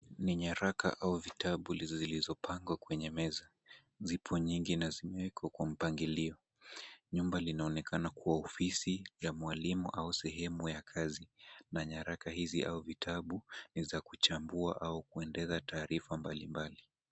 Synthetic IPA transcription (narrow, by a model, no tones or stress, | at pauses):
niɲaɾaka̰ʔauvitʰaɓulizzilizɔpʰaŋɡwakwɛɲɛmɛza | zipʰɔɲiŋɡinazimɛwɛkʰakwam̩paŋɡiliɔ | ɲumbalinaɔnɛkʰanakuwaɔfisijamwalimuʔausɛɦɛmujakʰazinaɲaɾakahiziʔa̰uvitʰaɓunizakut͡ʃambuaʔaukuɛndɛzataːɾifambalimbali